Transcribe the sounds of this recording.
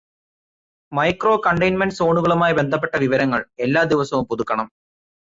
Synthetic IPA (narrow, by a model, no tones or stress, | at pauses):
mɐjkro̞ːkɐɳɖɐjnmɐnɖso̞ːɳuɣɐɭumaːjɐbe̞nd̪ʱɐp̬ːe̞ʈːɐʋiʋɐɾɐŋːɐɭe̞lːaːd̪iʋɐsɐʋumpuðukːɐɳɐm